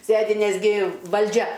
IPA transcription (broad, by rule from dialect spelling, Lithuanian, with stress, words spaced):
ˈsʲeːdʲɪ nʲɛzʲˈɡʲɪ ʋɐlʲˈd͡ʒʲɛ